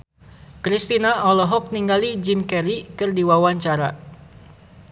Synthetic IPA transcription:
kɾist̪inaɔlɔɦɔk̚niŋɡalid͡ʒinkɛɾikɨrdiwawaɲt͡ʃaɾa̰

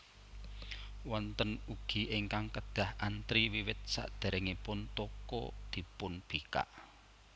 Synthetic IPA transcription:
wɔnt̪ənuɡ̥i̤ʔɪŋkaŋkəd̪̥a̤hant̪ɾiwiwɪt̪̚sa̰ʔd̪̥a̤ɾɛŋipʊnt̪ɔkɔ̰d̪̥i̤pʊnb̥ika̰ʔ

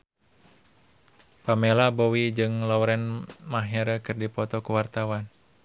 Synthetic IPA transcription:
pamɛlabɔwid͡ʒɨŋlauɾɛnmaɦɛɾəkɨrdipɔt̪ɔkuwart̪awan

